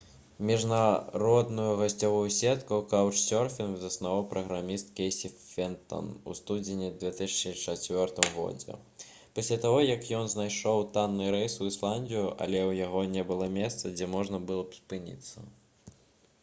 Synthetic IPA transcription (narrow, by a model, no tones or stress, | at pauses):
mʲiʐnaɾɔd̪nujuɣɐsʲt͡sʲavujusʲɛt̪kɐwkawt͡ʂsʲɔrfʲinvzɐsnavawpɾɐɣɾamʲist̪̚kʲejsʲiffʲɛnt̪ɔ̰nṵst̪ud͡zʲɪnʲid̪vʲɛt̪ɨsʲɐt͡ʂɨt͡ʂat͡sʲvʲɔrt̪ɨmɣɔ̰d͡zʲɛ̰ | pɐsʲlʲat̪aɣɔjɐkjɔnznajʂɔwt̪anːɨɾɛjsuislˠanʲd̪ʲijuʔɐ̰lʲɛwjaɣɔnʲɛbɨlˠɔmʲɛst̪sɐd͡zʲɛmɔʐnɐbɨlˠɔpspɨnʲḭt̪sːɐ